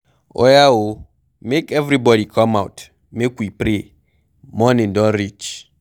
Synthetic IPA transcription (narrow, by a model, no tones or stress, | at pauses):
ɔ̰jao | mekɛvɾibɔɾikʰɔmawt | mekwipɾe | mɔnɪ̃ndɔ̃nɾit͡ʃ